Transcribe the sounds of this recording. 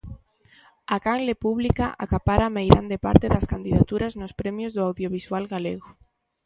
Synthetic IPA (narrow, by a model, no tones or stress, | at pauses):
akaŋlepuβ̞likaʔa̰kapaɾamejɾand̪epa̰ɾt̪ɪðaskand̪iðat̪uɾaznʊspɾɛmjozðʊawðjoβ̞iswalɣaleɣʊ